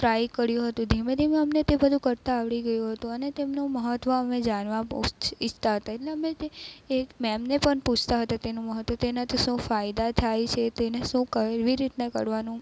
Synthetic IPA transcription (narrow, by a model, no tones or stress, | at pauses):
t̪ɾajkəɾjũɦət̪ũd̪ʱimed̪ʱimeəmnet̪ebəd̪ʱũkəɾt̪aːʋɭiɡəjũɦət̪ũənet̪emnuməɦət̪ʋəəmed͡ʒanʋãit͡ʃʰt̪aɦət̪aeʈleəmet̪eemɛmnepəɳput͡ʃʰt̪aɦət̪at̪enũməɦət̪ʋət̪enat̪iʃũfajd̪at̪ʰajt͡ʃʰet̪eneʃũkəɾʋiɾit̪nakə̰ɾʋanũ